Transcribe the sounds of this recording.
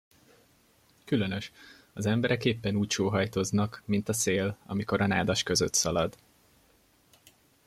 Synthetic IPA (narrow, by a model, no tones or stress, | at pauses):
kylø̞nø̞ʃ | ɒzɛmbɛɾɛkeːpːɛnuːcʃoːɦɒjt̪oznɒkmint̪ɒseːlɒ̰miko̞ɾɒnaːd̪ɒʃkø̞zøt̪sɒlɒd̪